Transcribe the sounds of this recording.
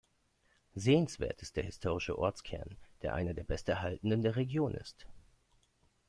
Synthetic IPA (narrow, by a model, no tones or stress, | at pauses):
zeːənsv̥ḛːɐtɪst̚d̥eːɐɦɪstʰoːʁ̞ɪʃəʔɔɐt͡skʰɛ̰ɐnd̥eːɐʔa̰ɪnɐdeːɐbɛstɛɐɦaltn̩dəndeːɐʁeɡjoːnʔɪ̰st